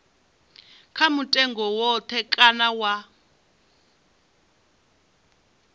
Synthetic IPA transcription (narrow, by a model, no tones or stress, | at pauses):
kʰamutʼɛŋɡɔwɔt̪ʰɛkʼanawa